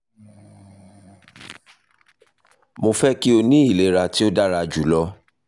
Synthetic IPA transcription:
mo˧fɛ˦ki˦o˧nĩ˦i˦˨le˨˦ɾa˧ti˦o˦da˦ɾa˧d͡ʒu˨lɔ˦

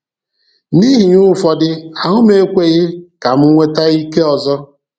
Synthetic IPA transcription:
niː˦ɦɪ˨ɲu˦fɔ˨dɪ˦a˨ŋʊ˦m˦e˦kʷe˦˨ɣɪ˦ka˨m̩˦ŋʷe˦ta˦i˦ke˦ɔ˨zɔ˦

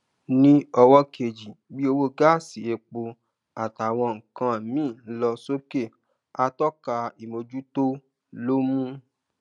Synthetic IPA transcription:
nĩ˦ɔ˧wɔ˦kʰe˨d͡ʒi˨bi˦o˧wo˦ɡa˦˨si˨e˧k͡po˧ | a˨ta˨w̃ɔ̃˧ŋ̩˨kã˧˨mĩː˦˨˦lɔ˧so˦ke˦˨ | a˧˦tɔ˦ka˧i˨mo˧d͡ʒu˦to˦ | lo˦mũ˦

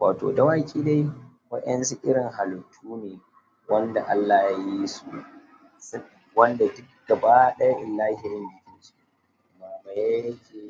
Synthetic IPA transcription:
wʔaː˨to̰ː˨da˨wa˦kʲʼiː˦da˦jwɐ˦ɗɐ˦nsu˦ʔɪ˦ɽɪ˨ŋɦa˨lʊ˨tʰuː˦neː˨ | wɐ˦nda˨ʔa˦lːa˨jaː˦ji˦su˨ | s | wɐ˦nda˨dʊ˦k̚ɡ̥ɐ˨baː˦ɗɐ˦ja˦ʔɪ˨lːaː˦hi˨jɪ˦nbɪ˨kʲɪ˦nt͡ʃi̥˦˨ | maː˨ma˨ja˦jɐ˦kʲeː˨

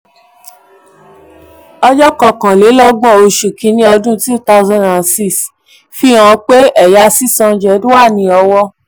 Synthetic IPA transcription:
ɔ˧d͡ʒɔ˦kɔ˨kã˨le˨˦lɔ˦ɡ͡bɔ̃˦˨o˧ʃu˨kĩ˨˦nĩ˦ɔ˧dũ˦tu˦ta˦˧zã˧˨nda˨n˨si˦˨s | fi˦w̃ã˨˧˦k͡pe˦ʔɛ˦˨ja˨˦si˦sɔ̃˧˦d͡ʒɛ˨˦dũ˦a˦˨nĩ˧ɔ˧wɔ˧

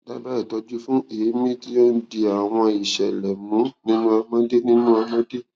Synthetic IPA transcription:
ba˦ba˦i˦˨tɔ˧d͡ʒu˦fũ˦e˨˦mĩ˦ti˦jɔ˦n̩˦di˧a˨w̃ɔ̃˧i˨ʃɛ˨lɛ˨mũ˨˦nĩ˦nũ˦a˧mã˦de˦nĩ˦nũ˦a˧mã˦de˦

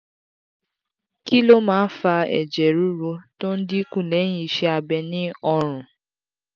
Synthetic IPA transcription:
ki˦lo˦mãː˦fa˧ɛ̰˨d͡ʒɛ˨ɾu˦ɾo˧to˦n̩˦di˦kũ˦˨lɛ̃˨˦ĩ˧˦˨ʃɛ˧a˧bɛ˧nĩ˦ɔ˧ɾ̃ũ˨

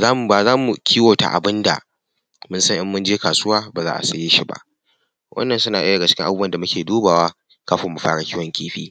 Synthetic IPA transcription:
zaː˦m˨baː˨zaː˦mu˨kʲiː˦woː˨ta̰˨ʔa̰˨bɪ˦nda̰˨ | mʊ˦nsɐ˦ŋʔɪ˦mːʊ˦nd͡ʒeː˦kaː˨sʊ˦waː˦baː˨zaː˦ʔa̰˨sɐ˨jeː˦ʃi˦ba̰˦˨ʔ | wʔɐ̰˦nːɐ˨nsʊ˦naː˨ʔɪ˦dɐ˨ɡa˨t͡ʃɪ̥˦kʲɪ˦ŋʔa˨bɐ˨nda˨mʊ˦kʲeː˨duː˦baː˨waː˦ | kaː˦ɸɔ˨mːu˨ɸaː˦ɽa˨kʲiː˦wɔ˨˦ŋkʲeː˦ɸiː˦

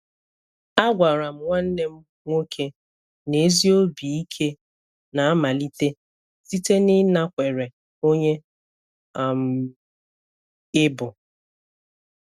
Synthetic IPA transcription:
a˦ɡʷa˨ɾa˨m̩˦ŋʷa˦n̩˦ne˦m̩˦ | ŋʷo˦kʰe˦ | ne˨˦zi˦o˦bi˨i˦kʰe˦ | na˨a˦ma˨li˦te˦ | si˦te˦nɪ˦na˦kʷe˨ɾe˨ | o˦ɲe˦˨ | m̩ | ɪ˦bʊ˨

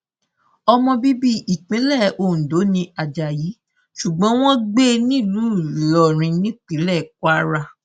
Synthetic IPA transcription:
ɔ˧mɔ̃˧bi˦bi˦ʔi˨k͡pĩ˨˦lɛ˦˨õ˧˨do˨˦nĩ˧a˨d͡ʒa˨ji˨˦ | ʃu˨ɡ͡bɔ̃˨˦w̃ɔ̃˦ɡ͡be˦nĩ˦˨lu˨˦˨lɔ˨ɾ̃ĩ˧nĩ˦k͡pĩ˨˦lɛ˦˨kwa˦ɾa˧

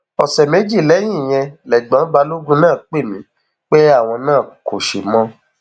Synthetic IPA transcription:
ɔ˨sɛ˨me˨˦d͡ʒi˦˨lɛ˨˦j̃ĩ˦˨j̃ɛ̃˧lɛ˨ɡ͡bã˨˦ba˧lo˦ɡũ˦nãː˦˨k͡pe˦˨mĩ˨˦ | k͡pe˦a˦˨w̃ɔ̃˧nãː˦˨ko˨ʃe˨mɔ̃˧˦

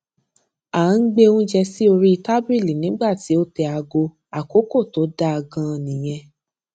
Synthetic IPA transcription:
ã˨˦ŋ̩˦ɡ͡be˦ũ˦d͡ʒɛ˧si˦o˧ɾi˦i˧ta˦bɾi˦˨li˨nĩ˨˦ɡ͡ba˦˨ti˨˦o˦tɛ˧a˧ɡo˧ | a˨ko˨˦ko˦˨to˨˦da˦a˧ɡã˧nĩ˨j̃ɛ̃˧

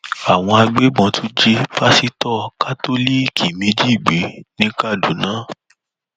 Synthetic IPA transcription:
a˨w̃ɔ̃˧a˧ɡ͡be˦ɡ͡bɔ̃˧tu˦d͡ʒe˦pa˦si˦tɔ˦˨ka˦to˦li˦˨kʰi˨mĩ˨˧˦d͡ʒi˦i˦˨ɡ͡be˨˦nĩ˦ka˦˨du˨˦nãː˨˦˨

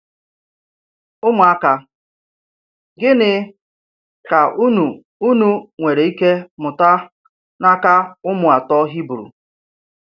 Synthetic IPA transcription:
ʊ˦mʊ˨a˦ka˦ | ɡɪ˦nɪ˨ | ka˨u˦nu˨ | u˦nu˦ŋʷe˨ɾe˨i˦ke˦mʊ˨ta˦ | na˦ka˦ʊ˦mʊ˨a˨tɔ˦ɦi˦bu˨ɾṵ˨

